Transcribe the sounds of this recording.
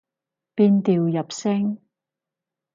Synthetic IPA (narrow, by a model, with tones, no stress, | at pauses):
piː˧nt̪iː˨wjɐ˨p̚sɪ˥ŋ